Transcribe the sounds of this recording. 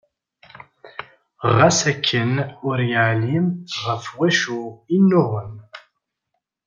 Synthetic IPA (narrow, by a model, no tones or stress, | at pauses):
ʁːæsækʰːənʊɾjəʕlimʁəfwæʃuinːʊʁəm